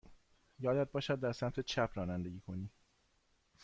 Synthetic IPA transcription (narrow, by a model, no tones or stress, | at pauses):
jɒːd̪æd̪̚bɒːʃæd̪̚ːæɾsæmt̪ʰet͡ʃʰæpʰɾɒːnænd̪e̞ɡiːkʰo̞niː